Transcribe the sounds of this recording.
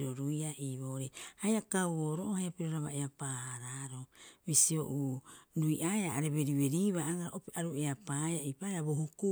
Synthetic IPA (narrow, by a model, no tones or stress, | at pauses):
ɾoɾujaʔiːβoɾehajakawoɾoʔohajapiɾoɾaβaeapaːhaɾaɾomisio̞ʔuɾujʔaeaʔaɾe̞βe̞ɾiβe̞ɾiːβaaɡaɾaʔopiaɾueapaaipaeabohuku